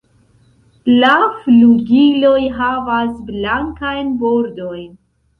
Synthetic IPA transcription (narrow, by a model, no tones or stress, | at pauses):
lafluɡilo̞jɦavasblaŋkajnbo̞ɾdo̞jn